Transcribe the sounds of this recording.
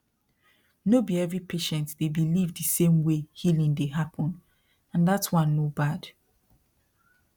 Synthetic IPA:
nobiɛvɹipʰeʃɛ̃ntdebilivdɨsẽmwehilĩndeɦapʰɔ̃n | ãnðatwʌ̃nːobad̥

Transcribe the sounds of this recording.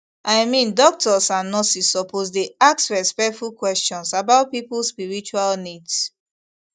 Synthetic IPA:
ʔaɪmĩndɔk̚tɔsãnːɔsisɔpʰozdeaksɹɛspɛk̚tfulkwɛst͡ʃɔ̃nsabaʊt̚pipulspiɹit͡ʃualnids

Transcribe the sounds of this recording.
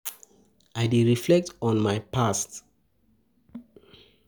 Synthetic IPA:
ajdiɹiflɛk̚tɔ̃nmajpʰast

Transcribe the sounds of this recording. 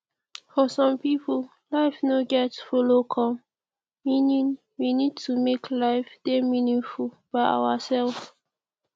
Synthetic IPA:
fɔsɔ̃mpipʰəl | laɪfnoɡɛtfɔlokʰɔ̃m | mĩnĩn | winid̚tʰumekʰlaɪfdemĩnĩŋful | b̥aɪa̰wasɛlf

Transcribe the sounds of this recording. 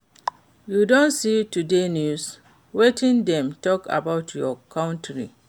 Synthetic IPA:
judõnsitudenjus | wetĩndɛ̃mtɔkʰa̰baʊtʰjɔkʰãʊ̃ntʰɹḭ

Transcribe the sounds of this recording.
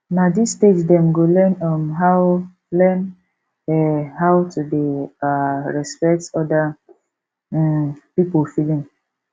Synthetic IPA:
nadisted͡ʒdɛ̃mɡolɛnɔmɦaw | lɛn | ɛɦawtudeaɹɛspɛk̚tɔda | pipolfilĩŋ

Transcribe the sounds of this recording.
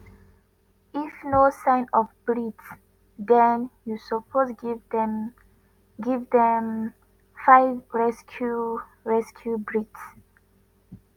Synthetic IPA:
ifnosãɪnɔfbɹits | d̪ɛ̃njusɔpʰozɡdm | ɡivdɛ̃m | faɪvɹɛskʰju | ɹɛskʰjubɹits

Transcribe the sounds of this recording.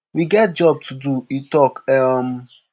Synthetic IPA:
wiɡɛt̚d͡ʒɔb̚tʰuduitɔkam̩

